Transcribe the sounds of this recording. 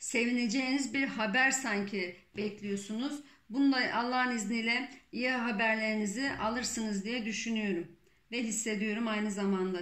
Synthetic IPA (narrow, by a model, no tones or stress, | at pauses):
se̞vine̞d͡ʒe̞jinizbiɾɦabæɾsaɲcʰibɛclʲijo̞sunuz | bunulˠaʔalˠːaɦɯniznijlʲɛijaɦabæɾlʲe̞ɾiniziʔalˠɯɾsɯnɯzd̪ijɛd̪yʃynyjo̞ɾum | vɛɦisːe̞d̪ijo̞ɾumajnɯzamand̪a